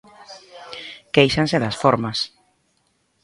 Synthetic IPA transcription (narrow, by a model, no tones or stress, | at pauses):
kejʃanseðasfɔɾmas